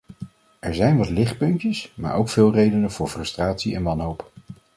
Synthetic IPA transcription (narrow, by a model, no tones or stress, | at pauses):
ɛɹzɛjnʋɑtlɪχt̚pɵntəsma̰ːɹʔowkfɪːlˠrejdənəv̥ʊːɹfrɵstraːtsiɛnʋɑnɦowp